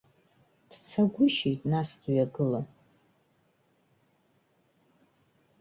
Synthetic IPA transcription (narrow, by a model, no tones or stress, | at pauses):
d̥t͡sʰaɡʷʊʃijtʼnasdujaɡɨla